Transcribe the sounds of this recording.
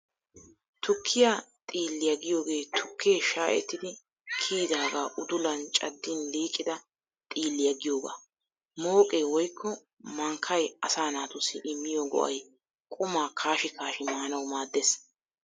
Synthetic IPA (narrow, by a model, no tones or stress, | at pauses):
t̪ʊkʰːɪjat̪ʼiːlːɪjɐɡɪjo̞ːɡe̞ːt̪ʰʊkʰːeːʃaːʔɛ̰t̪ːɪd̪ɪ | kʰiːd̪aːɡaːʔʊd̪ʊlɐnt͡ʃʼɐd̪ːɪnliːkʼːɪd̪ɐ | t̪ʼiːlːɪjɐɡɪjo̞ːɡa̰ː | mo̞ːkʼeːwɔjkʰːɔ | mɐŋkʰːɐjɐsaːnaːt̪ʊsːɪʔɪmːɪjɔɡɔ̰ʔɐ̰j | kʼʊmaːkʰaːʃɪkaːʃɪmaːnɐwmaːd̪ːes